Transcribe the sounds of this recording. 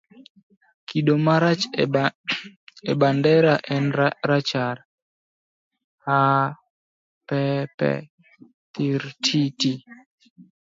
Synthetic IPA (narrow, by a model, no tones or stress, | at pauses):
kʰiɗomaɾat͡ʃ | ɛbandɛɾaʔɛnɾat͡ʃaɾ | ha | pɛpɛ̰ | t̪iɾtʰiti